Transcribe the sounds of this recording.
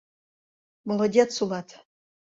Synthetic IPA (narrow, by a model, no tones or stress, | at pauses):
molˠədʲet̪sulˠɑt̪